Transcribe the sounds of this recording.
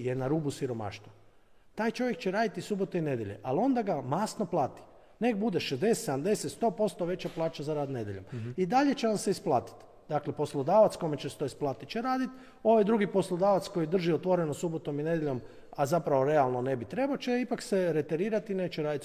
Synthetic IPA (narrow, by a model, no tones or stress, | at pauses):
jenaɾubusiɾo̞ma̰ʃt̪ʋo | t̪aːjt͡ʃo̞ʋjekt͡ʃeɾaːd̪it̪isubot̪oine̞d̪jḛʎḛʔalo̞nd̪aɡamasno̞plˠaːt̪i̥ | ne̞kbud̪eʃezd̪e̞st̪seamd̪e̞set̪st̪o̞ːpo̞st̪oʋe̞t͡ɕaplˠaːt͡ʃazaɾaːd̪ne̞d̪ʲjeʎomid̪aʎe̞t͡ʃenamseisplˠaːt̪i̥t̪ | d̪aklepo̞slˠod̪aːʋat̪skomet͡ʃest̪oisplˠaːt̪it͡ʃeɾaːd̪it̪ | o̞ʋajd̪ɾuɡipo̞slˠod̪aːʋat̪sko̞jid̪r̩ʒiot̪ʋo̞ɾenosubot̪o̞mine̞d̪jeʎo̞m | azapɾaʋo̞ɾe̞alˠnone̞bit̪ɾe̞baot͡ʃeipakseɾe̞t̪eɾiːɾat̪ine̞ːt͡ʃeɾaːd̪it̪